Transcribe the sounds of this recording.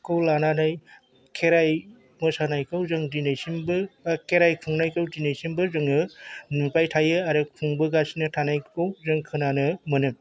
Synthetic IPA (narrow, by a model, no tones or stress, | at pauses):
kʰɯwlananaj | kʰeɾaj | mɯsanajkʰɯwzɯŋdinajsimbɯkʰeɾajkʰuŋnajkʰɯwdinajsimbɯzɯŋɯnupajtʰajɯaɾepʰuŋbɯɡasinɯtʰanajkʰɯwzɯŋkʰɯnanɯmɯnɯm